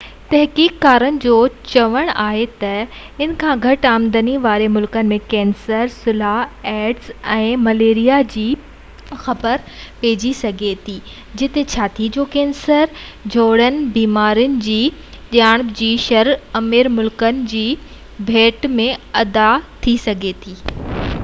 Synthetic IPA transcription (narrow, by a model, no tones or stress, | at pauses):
t̪ɐɦkiːkːaːɾənɪ̆d͡ʑoːt͡ɕɐʋəɽ̃aːɦet̪ɐ | ɪnkʰãːɡʱɐʈaːmd̪əniʋaːɾemʊlkənɪ̆mẽkɛ̃ːnsəɾsʊlaɦɛːɖsɛ̃ːmɐleːɾijad͡ʑiː | xɐbəɾpeːd͡ʑisɐɡʱet̪ʰiː | d͡ʑɪt̪et͡ɕʰaːt̪ʰid͡ʑoːkẽːnsəɾd͡ʑʱoːɽənɪ̆biːmaːɾiʊnɪ̆d͡ʑiː | ɗjaːɽ̃d͡ʑiːʃɐɾɐmiɾmʊlkənɪ̆d͡ʑiː | bʱeːʈmẽɐd̪at̪ʰisɐɡʱet̪ʰiː